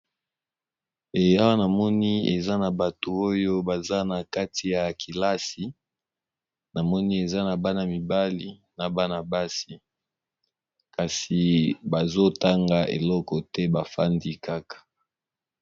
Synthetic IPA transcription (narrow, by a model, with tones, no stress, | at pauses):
e˨ja˦wa˦na˨mɔ˦ni˦ḛ˨za˦na˨ba˨to˨o˦jo˦ba˨za˦na˨ka˦tʰi˨ja˨kʰi˨la˦si˨ | na˨mɔ˦ni˦e˨za˦na˨ba˦na˨mi˨ba˦li˨na˨ba˦na˨ba˦si˨ | ka˨si˨ba˨zo˦ta˦ŋɡa˨ʔḛ˨lɔ˦kɔ˨tɛ˦ba˨fa˦ndi˦ka˦kḁ˨